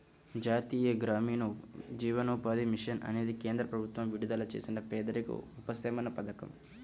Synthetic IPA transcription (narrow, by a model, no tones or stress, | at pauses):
d͡ʒaːt̪iːjɐɡɾaːmiːnɐd͡ʒiːʋɐnuːpaːd̪imiʂɐnɐ̰ne̞ːd̪ikeːnd̪ɾɐpɾɐbʱut̪ʋɐmʋiɽud̪aːlɐt͡ʃeːsinɐpɛːd̪ɐɾikṵupɐsɐmɐnɐpɐd̪ɐkɐ̰m